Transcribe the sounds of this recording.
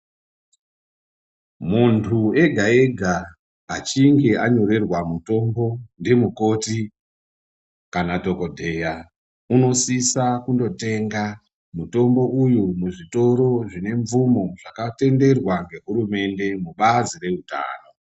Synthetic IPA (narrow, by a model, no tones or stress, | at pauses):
muntʰue̞ɡʱaeɡʱaː | t͡ʃiŋɡe̞ʔaɲo̞ɾe̞rwamuto̞mbo̞ndimuko̞ti | kanato̞ko̞dʱe̞ja | uno̞sisakundo̞te̞ŋɡa | muto̞mbo̞ujumuʐito̞ɾo̞ʐine̞ɱvumo̞ʐ̥akate̞nde̞rwaŋɡe̞ɦuɾume̞nde̞muɓazire̞uta̰ːno̞